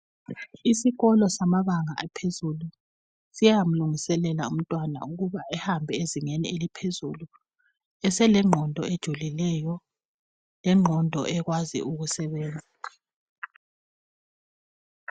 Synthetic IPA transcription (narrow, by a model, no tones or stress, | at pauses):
isiɣɔlɔsamaβaŋa̰ʔɛpʰezulu | sijam̩luŋisɛlɛla̰um̩tʼwana̰uɣuβaɛhambʱɛeziŋenḭelipʰezulu | ɛsɛlɛŋ͡ǃʱɔndʱɔed̥ʒ̥ʱulilɛjɔ | lɛŋ͡ǃʱɔndʱɔ̰ʔɛɣwazḭuɣusɛβeːnd͡zʱi